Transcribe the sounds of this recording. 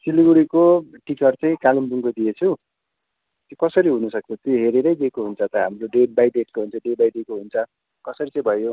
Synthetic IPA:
siliɡuɽikoʈikʌrt͡sʌj̃kalumbuŋɡod̪ijet͡sʰu | t̪jokʌsʌɾiɦunʌsʌk̚t͡sʰʌt̪joɦeɾeɾʌjd̪ekoɦunt͡sʰʌt̪ʌɦamroɖeʈ̚bajɖ̪eʈ̚koɦunt͡sʰʌɖebajd̪ekoɦunt͡sʰʌ | kʌsʌɾit͡sʌ̃j̃bʱʌjo

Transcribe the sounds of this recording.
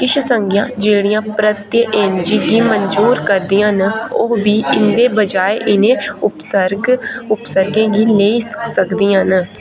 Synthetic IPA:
kɪʃʰsəŋɡjãːd͡ʒeːɽijãːpɾət̪jeʔeːnd͡ʒiːɡiːmənzuːɾkəɾd̪ĩãnʊ̰ɦbiːɪnd̪eːbəd͡ʒaːeʔɪnẽːʊpəɾʊpsəɾɡẽːɡiːleisəkd̪iːãːn

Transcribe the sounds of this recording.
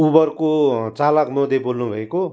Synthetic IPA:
ubʌrkot͡salʌkmʌd̪ʱjebolnubʱʌeko

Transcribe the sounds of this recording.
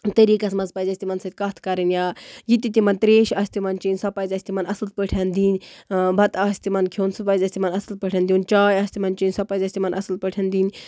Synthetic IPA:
t̪ɐɾiːkɐsmɐnzpɐzʲɐsʲt̪ʲimɐnsɐt̪ʲkɐt̪ʰkɐɾɨnjaːjit̪it̪ʲimɐnt̪ɾeːʃɐːsʲt̪imɐnt͡ʃinʲsɐpɐzʲɐsʲt̪imɐnɐsɨl̚pəʈʰɐnd̪iːnʲbʱɐt̪aːsʲt̪imɐnkʰewnsupɐzʲɐːsʲt̪imɐnɐsɨl̚pəʈʰʲɐnd̪junt͡ʃaːjɐːsʲt̪imɐnt͡ʃinʲsɐpɐzʲɐsʲt̪imɐnʔɐ̰sɨl̚pəʈʰɐnd̪iːnʲ

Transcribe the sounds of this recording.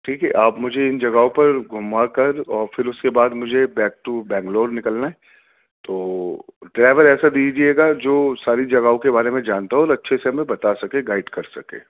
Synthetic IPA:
ʈʰiːkɛ̰ʔaːpmʊd͡ʒʱeɪnd͡ʒɐɡaõpɐɾɡʱʊmːakɐɾɔːɾfɪɾʊskebaːd̪mʊd͡ʒʱebɛːk̚ʈubɛ̃ːŋɡloːɖnɪkəlnaɦɛ | t̪oːɖɾaːʋəɾɛːsad̪iːd͡ʒieːɡad͡ʒoːsaːɾid͡ʒɐɡaõkebaːɾemẽd͡ʒaːnt̪aɦɛɔːɾɐtːʃʰeseɦɐmẽbɐt̪asɐkẽɡaːɪɖkɐɾsɐkḛː

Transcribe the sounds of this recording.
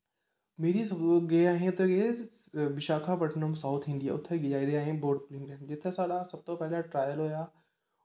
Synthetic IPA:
meːɾisɐɡeaːɦẽt̪ɐɡe | ʋɪʃaːkʰapɐʈʰnõmsaːʊt̪ʰɪ̃nd̪ija̰ːʊt̪ʰːeɡɪd͡ʒaːid̪eaːɦẽboːɾɖpʊlɪ̃ŋɾɛ̃ːd͡ʒɪt̪ʰːesaːlasɐb̚t̪opɛɦlaʈɾaːjəlɦoːjaː

